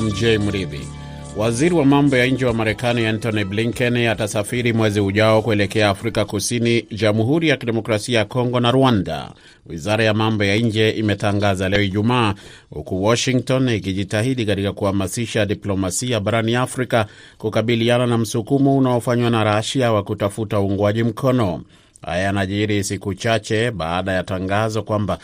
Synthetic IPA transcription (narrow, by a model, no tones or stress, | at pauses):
m̩d͡ʒɛmuɾivḭ | waziɾiwamambɔjaiɲd͡ʒɛwamaɾɛkaniantɔnibliŋkɛnatasafiɾimwɛziuʄaɔkuɛlɛkɛaːfɾikakusiniʄamɦuɾijakiɗɛmɔkɾasiajakɔŋɡɔnaɾwanda̰ | wḭzaɾajamambɔjaiɲd͡ʒɛʔimɛtaŋɡazalɛɔiʄumaː | hṵkuwɔʃiŋktɔnikiʄitahiɗikatikakuhamasiʃaɗiplɔmasiaɓaɾaniafɾika | kukaɓiliananam̩sukumɔunaɔfaɲwanaɾaʃawakutafutauuŋɡwaʄim̩kʰɔnɔ | ha̰janaʄiɾisikut͡ʃat͡ʃɛɓa̰ːɗajataŋɡazɔkwamba